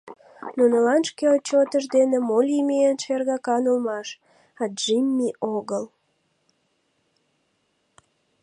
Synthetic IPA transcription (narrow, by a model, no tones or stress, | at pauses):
nunəlɑnʃkelt͡ɕot̪əʃ̬d̪enemolʲimeenʃerɣɑkɑnolmɑʃ | ɑd̪ʒimʲːiʔoɣəl